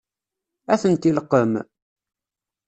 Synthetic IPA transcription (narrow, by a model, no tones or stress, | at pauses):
æθənt̪iləqːəm